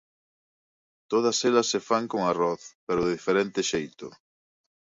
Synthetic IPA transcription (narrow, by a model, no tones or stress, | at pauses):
t̪oð̞ɐsɛlɐsːefaŋkoŋaroθpeɾʊðeðifeɾent̪ɪʃejt̪ʊ̰